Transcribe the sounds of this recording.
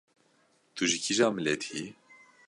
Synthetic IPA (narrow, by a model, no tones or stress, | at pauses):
t̪uʒiciʒaːmilɛt̪ʰi